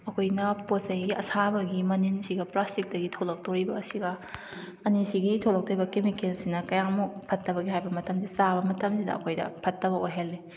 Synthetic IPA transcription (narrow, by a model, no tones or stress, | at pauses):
ɐkʰojnɐposɐjɡiʔɐ̰sʰabɐɡimɐninsiɡɐplastik̚dɐɡitʰolɐk̚toɾibɐːsiɡɐ | ɐnisiɡitʰolɐk̚toɾibɐkemikensinɐkɐjamupʰɐtːɐbɐɡiɦajbɐmɐtɐmsisabɐmɐtɐmsidɐ̰ɐ̰kʰojdɐ̰pʰɐtːɐβɐojɦelːi